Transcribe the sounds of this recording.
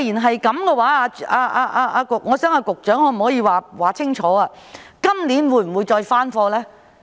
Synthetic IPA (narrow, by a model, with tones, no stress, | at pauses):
jiː˨˩nɦɐ˨jkɐ˨˦mkɛː˧waː˨˥aː˧aː˧ʔaː˧ʔaː˧ʔaː˧kʊ˨k̚ŋɔː˨˧˥sœː˨˥ŋaː˧kʊ˨k̚t͡ʃœː˨˥ŋɔː˨˧m̩˨˩hɔː˨˥jiː˧waː˨waː˨t͡sʰɪ˥ŋt͡ʃʰɔː˨˥aː˧ | kɐ˥mliː˨˥nwuː˨˧jm̩˨˩wu˨˧jt͡ʃɔː˧jfaː˥nfɔː˧lɛː˥